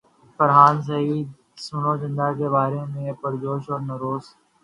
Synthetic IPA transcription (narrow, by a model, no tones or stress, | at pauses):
fəɾɦaːns̬əiːd̪̚ | sʊnoːd͡ʒə̃nd̪aːkeːbaːɾeːmẽːpəɾd͡ʒoːʃɔːɾnəɾoːs